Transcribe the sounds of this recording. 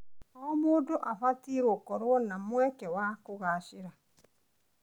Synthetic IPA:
ɔmoːdoʔafatiɾokɔɾwɔnamwɛkɛwakoɣaːʃɪɾa

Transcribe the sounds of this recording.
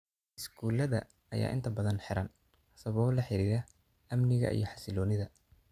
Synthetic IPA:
ʔɪskʰuːlɐðɐ̰ | ɐja̰ːʔɪ̰nt̪ʰɐbɐðɐnħɪɾɐn | hɐsɐβɔːlɐħɪɾiːɾɐ | ɐmnɪɣɐ̰ʔḭjɞħɑ̥sɪlɔːnɪðɐ

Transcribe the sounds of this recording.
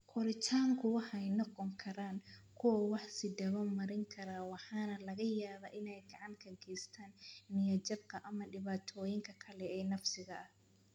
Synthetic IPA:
kʰɔlɪt͡ʃʰaːŋkʰʊwɑħɛjnɔqɔŋkʰɐɾaːŋkʰʊwɐwɑħsɪd̪ɐβɐmɐɾɪŋkʰɐɾaːwɑħɑːnɐlɐɣɐjaːβɐʔɪnɛjɡɑʕɑŋkʰɐɡɛst̪ʰaːnmɪjɐt͡ʃɐbkʰɐʔɐmɐɖɪβaːt̪ʰɔːjɪŋkʰɐkʰɐlɛɛːnɐfsɪɣɐʔɐh

